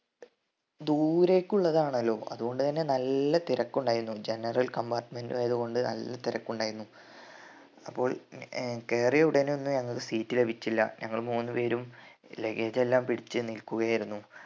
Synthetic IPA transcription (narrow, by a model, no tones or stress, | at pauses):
d̪uːɾe̞ːkʲːuɭːɐðaːɳɐlːo̞ːʔɐ̰ðuɣo̞ɳɖɨt̪ɐnːe̞nɐlːɐt̪iɾɐkːuɳɖaːjiɾunːud͡ʑe̞nɐrɐlkɐmbaːrʈmendɨeɐðuɣo̞ɳɖɨnɐ̰lːɐt̪iɾɐkːuɳɖaːjiɾunːu | ɐpːo̞ːɭkeːrijeuɽɐnonːuɲɐŋːɐɭkɨsiːtːile̞bʱit͡ɕːilːɐ̰ɲʔɐŋːɐɭmuːnːɨpe̞ːɾumle̞ɡed͡ʑe̞lːaːmpiɽit͡ɕːɨnilkuɣɐjaːjiɾunːu